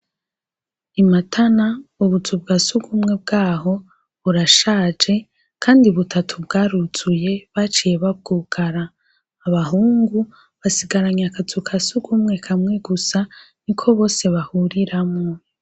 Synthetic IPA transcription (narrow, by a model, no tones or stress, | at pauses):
imatʰanauβut͡subɡasuɡumŋe̞b̚ɡaːɦo̞ | βuɾaʃaːd͡ʒe̞ | kʰaːndiβutʰatʰubɡaːɾut͡suje̞βat͡ʃije̞βab̚ɡuɡaɾaː | βaɦuːŋɡu | βasiɡaɾaɲakat͡sukʰasuɡumŋe̞kʰamŋeɡusa | nikʰo̞βo̞ːse̞βahuɾiɾamŋo